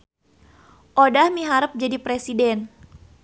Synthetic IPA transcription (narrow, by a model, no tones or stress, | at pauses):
ʔodahmiɦaɾəp̚d͡ʒadipɾesidɛn